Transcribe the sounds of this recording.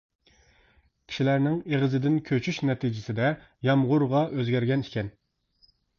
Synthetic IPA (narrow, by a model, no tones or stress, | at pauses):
kʲʰi̥ʃilæɾnɪŋeʁəzɪd̪ɪnkʲʰøt͡ʃʰyʃnɛt̪ʰid͡ʒɪsɪd̪ɛ | jɑmʁʊɾʁɑʔøzɡʲæɾɡʲɛnikʲʰɛn